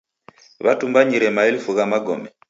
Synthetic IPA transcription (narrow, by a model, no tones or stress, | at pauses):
βa̰tumbaɲiɾɛmaɛlifuɣamaɡɔ̰mɛ